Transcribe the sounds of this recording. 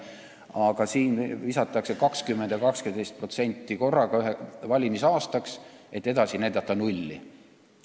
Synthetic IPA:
ɑɡ̥ɑsiːnvisɑt̪ːˑɑkse̞kɑkskymːend̪̥jɑkɑkskend̪ejst̪̚pro̞t̪se̞nʲt̪ˑːiko̞rːɑɡ̥ɑyɦevɑlʲimisɑːst̪ɑkse̞t̪ːe̞d̪ɑsinæjd̪̥ɑt̪ːˑɑnulʲːḭ

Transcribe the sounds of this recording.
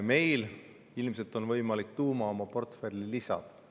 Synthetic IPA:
me̞jl | ilmse̞lt̪ˑo̞nvɤjmɑlik̚t̪uːmɑo̞mɑpo̞rt̪ferʲlilisɑ̰d̪̥

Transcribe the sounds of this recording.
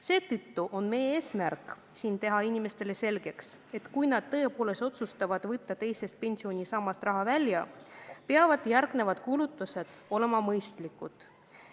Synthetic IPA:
se̞ːt̪ɯt̪ːuʔo̞nme̞jeːsmærkˑ | siːnt̪e̞ɦɑinʲime̞st̪e̞le̞se̞lɡ̥e̞ks | e̞t̪kujnɑd̪̥̚t̪ɤe̞po̞ːle̞st̪o̞t̪sust̪ɑvɑd̪̥vɤt̪ːɑt̪e̞jse̞st̪̚pe̞nsio̞nʲisɑmːɑst̪rɑɦɑvælʲjɑpeɑvɑd̪̥jærɡ̥ne̞vɑd̪̥kulut̪ːˑuse̞d̪̥o̞le̞mɑmɤjst̪likːˑud̪̥

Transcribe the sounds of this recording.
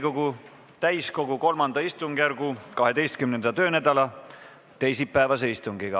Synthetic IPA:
ko̞ɡ̥u | t̪æjsko̞ɡ̥uko̞lmɑnd̪ɑist̪uŋɡ̥jæɾɡ̥ukɑɦe̞d̪e̞jst̪̚kymnend̪̥ɑt̪ø̞ːnæd̪̥ɑlɑ | t̪e̞jsipːæevɑs̬eist̪uŋɡ̥iɡ̥ɑ

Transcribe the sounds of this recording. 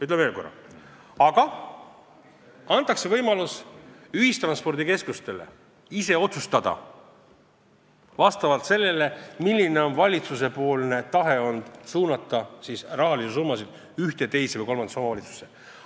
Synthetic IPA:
yt̪leve̞ːlko̞rɑ̰ | ɑɡ̥ɑ | ɑnt̪ːˑɑkse̞vɤjmɑlusyhist̪rɑnspo̞rd̪ike̞skust̪e̞le̞̰ | ise̞o̞t̪sust̪ɑd̪̥ɑ̰ | vɑst̪ɑvɑlt̪se̞lːe̞le̞milʲːine̞o̞nvɑlʲit̪suse̞po̞ːlne̞t̪ɑɦe̞o̞nd̪̥suːnɑt̪ːˑɑsisrɑɦɑlises̬urmɑsid̪̥ | yht̪e̞t̪e̞jsevəjko̞lmɑn̥ɑso̞mɑvɑlit̪su̥se

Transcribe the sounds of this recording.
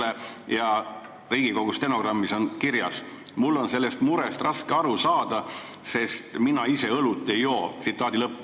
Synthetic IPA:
ejɑ | riːɡiko̞ɡ̥ust̪e̞no̞ɡrɑmːiso̞nkiɾjɑ̰s | mulːo̞nse̞lːest̪muɾest̪rɑskeɑɾusɑːd̪̥ɑse̞st̪minɑise̞ɤlut̪ːˑe̞jo̞ːt̪sit̪ːˑɑːd̪ilɤpː

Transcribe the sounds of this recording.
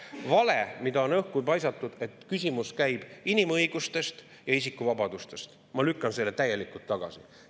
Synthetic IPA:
vɑle̞mid̪ɑo̞nɤhkujpɑjsɑt̪ːˑud̪̥e̞t̪kysʲimuskæjb̥inimɤjɡ̥ust̪e̞st̪ | jɑis̬ikːuvɑbɑd̪̥ust̪e̞st̪ | mɑlykˑːɑnselːet̪æje̞likult̪ːɑɡ̥ɑ̰sḭ

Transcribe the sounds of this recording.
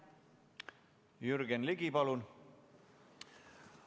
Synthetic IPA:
jyɾɡenliɡipɑlun

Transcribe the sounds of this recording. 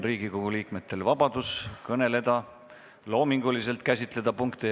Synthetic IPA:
ɾiːɡ̥ikoɡ̥uliːkme̞t̪ˑːe̞lvɑb̥ɑd̪̥uskɤne̞le̞d̪̥ɑ | lo̞ːmiŋɡ̥ulise̞lt̪̚kæsʲit̪ˑle̞d̪̥ɑpuŋkt̪i

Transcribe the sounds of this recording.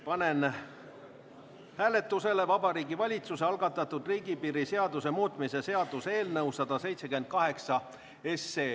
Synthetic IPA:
pɑne̞n | hæːle̞t̪ːˑuse̞le̞vɑbɑɾiːɡivɑlʲit̪suse̞ɑlɡ̥ɑt̪ːˑɑt̪ːud̪riːɡ̥ipiːɾise̞ɑd̪̥use̞muːt̪ˑmise̞se̞ɑd̪̥use̞ːlnɤwsɑd̪̥ɑse̞jt̪sekyme̞nd̪̚kɑɦe̞ksɑ | e̞sːeː

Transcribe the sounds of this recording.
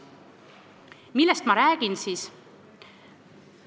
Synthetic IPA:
milːest̪mɑɾæːɡ̥insiːs

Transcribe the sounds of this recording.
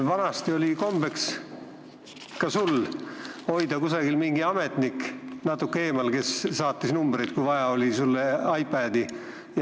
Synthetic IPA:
vɑnɑst̪io̞lʲiko̞mb̥e̞ks | kɑsul | o̞jd̪̥ɑkusɑɡilmiŋɡ̥iɑme̞t̪niknɑt̪ːˑukːee̞ːmɑlke̞sːɑːt̪ːisnumb̥ɾejd̪̥kujvɑjɑo̞lʲisulːeɑjpːˑæːd̪i | j

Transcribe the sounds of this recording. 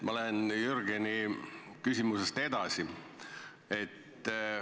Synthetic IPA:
mɑolenjyrɡeni | kysʲimusest̪e̞d̪ɑsi | e̞t̪ː

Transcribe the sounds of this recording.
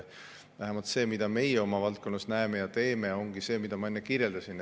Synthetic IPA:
væɦemɑlt̪se̞ːmid̪ɑme̞jɛo̞mɑvɑlt̪̚ko̞nːɑsnæemejɑt̪e̞ːmeo̞ŋɡ̥ise̞ːmid̪̥ɑmɑe̞nːekiɾjeld̪̥ɑsin

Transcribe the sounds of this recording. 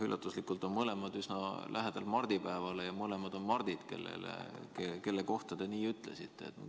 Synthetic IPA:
ylːʔɑt̪ːˑuslikːˑult̪ˑo̞nmɤle̞mɑd̪̥ysnɑlʔæɦed̪̥ɑlmɑrd̪̥ipæevɑlejɑmɤle̞mɑd̪o̞nmɑrd̪̥id̪̥ke̞̰lːḛlḛkeke̞lːe̞ko̞ht̪ɑd̪e̞niːyt̪ˑlesit̪ːˑḛːt̪no̰

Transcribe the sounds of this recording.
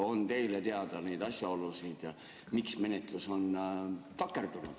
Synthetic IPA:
o̞nt̪e̞jlet̪e̞ɑd̪̥ɑne̞jd̪ɑsʲjɑo̞lusid̪̥ | miksme̞net̪ˑluso̞nt̪ɑkːˑe̞rd̪̥unṵd̪̥

